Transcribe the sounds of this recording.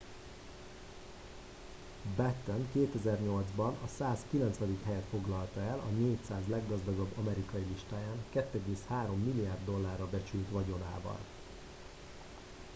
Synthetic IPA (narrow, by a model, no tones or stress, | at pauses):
bɛt̪ːɛŋkeːt̪ɛzɛrɲo̞ld̪zbɒnɒsaːskilɛnt̪sʋɛd̪ikɦɛjɛt̪fo̞ɡlɒlt̪ɒɛlʔɒneːcsaːzlɛɡːɒzd̪ɒɡɒbːɒmɛɾikɒjiliʃt̪aːjaːŋkɛt̪ːɛɡeːshaːɾo̞mːilːijaːrd̪ːo̞lːaːrːɒbɛt͡ʃylt̪ʋɒɟo̞na̰ːvɒ̰l